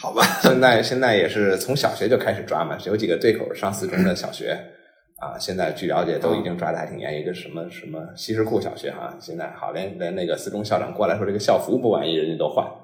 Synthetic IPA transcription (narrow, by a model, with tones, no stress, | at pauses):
xɑ˨˩ʊbɐ˦ɕjɛ˥˧nt͡sa˥˩ɪɕjɛ˥˧nt͡sa˥˩ɪjɛ˨˩ʂɻ̩˥˩t͡sʰʊ˧˥ŋɕjɑ˨˩ʊɕɥɛ˧˥t͡ɕjo˥˧kʰa˥ɪʂɻ̩˨˩ʈ͡ʂwa̰˥mɐ̰˨˧jo˧˥ʊt͡ɕi˨˩ɡə˦t̪we˥˩ɪkʰo˨˩ʊ˥˩ʂɑ˥˧ŋsɹ̩˥˩ʈ͡ʂʊ˥ŋd̪ə˨ɕjɑ̰˨˩ʊɕɥɛ̰˧˥ | ɐ̰˧ɕjɛ˥˧nt͡sa˥˧ɪt͡ɕy˥˩ljɑ̰˧˥ʊt͡ɕjɛ˨˩t̪o˥ʊi˧˥t͡ɕi˥˩ŋʈ͡ʂwa˥t̪a˥˩t̪ʰi˨˩ŋjɛ̰˧˥ni˧˥ɡə˧ʂə˧˥nmə˧ʂə˧˥nmə˧ɕi˧˥ʂɻ̩˧˥kʰu˥˩ɕjɑ̰˨˩ʊɕɥɛ̰˧˥xɐ̰˥˧ɕjɛ˥˧nt͡sa˥˩ɪxɑ̰˨˩ʊljɛ˧˥nljɛ˧˥na˥˩ɡə˩sɹ̩˥˧ʈ͡ʂʊ˥ŋɕjɑ˥˩ʊʈ͡ʂɑ̰˨˩ŋkɔ˥˩la˧˥ɪʂwɔ˥ʈ͡ʂə˥˩ə˧ɕjɑ˥˩ʊfu˧˥pu˥˩wa̰˨˩ni˧˥˩ɻə˧˥ny˧˩t̪o˥ʊxwa̰˥˩n